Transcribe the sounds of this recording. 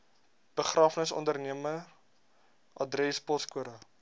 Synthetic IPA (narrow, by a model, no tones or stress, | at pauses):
b̥əχrɑːfnəsɔ̰ndərniəmə | ʔɐdrɛspɔskuəɾə